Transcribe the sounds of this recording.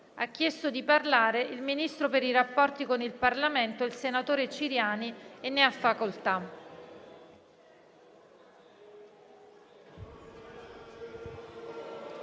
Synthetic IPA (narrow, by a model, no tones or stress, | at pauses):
a̰k̟ːjɛst̪od̪iparlaːɾeilminist̪ɾopeɾiɾapːɔrt̪ikonilparlament̪oelsenat̪oːɾet͡ʃiɾjaːnienːeafːakolt̪a